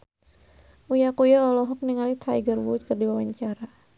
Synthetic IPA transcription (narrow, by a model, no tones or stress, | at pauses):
ʔujakujaɔlɔɦɔk̚niŋalit̪ʰajɡərwut̪̚kərdiwawaɲt͡ʃaɾa